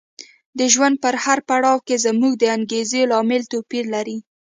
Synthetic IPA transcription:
d̪əʒwand̪̚pəɾhaɾpaɽɑwkezamuɡ̚d̪əaŋɡezelɑmɪlt̪opiɾlaɾi

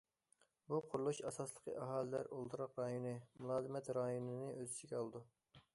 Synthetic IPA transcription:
buqʰʊɾlˠuʃɑsɑslˠəqʰəʔɑɦɑːlɨlæɾolˠt̪ʰɨɾɑqɾɑjonɨmulˠɑːzɨmɛt̪ɾɑjonɨnɨʔøzɪt͡ʃ̪ʰɪɡʲɛɑlˠɨd̪u

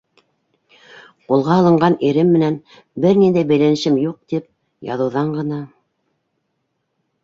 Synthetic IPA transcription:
qulˠʁɑːlˠɤ̆ɴɢɑniɾɘmːɘ̆næn | bɘɾnind̪æjbæjlænɘ̆ʃɘmjuq̚t̪ip̚ | jɑ̰ðɤ̆wðɑɴɢɤ̆nɑ

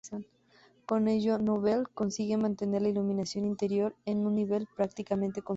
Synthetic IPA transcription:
san | koneʝonoβelkonsiɣemãnt̪eneɾlailumĩnasjo̞nint̪eɾjoɾenũnːiβelpɾak̚t̪ikamẽnt̪e̞ko

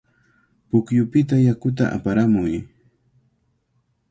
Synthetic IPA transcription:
pʊkjʊpɪt̪ajakʊt̪aʔa̰paɾamʊj

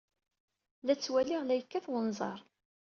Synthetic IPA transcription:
læt͡sːwæliʁlæjəkːæθwənzˤɑ̰ɾˤ

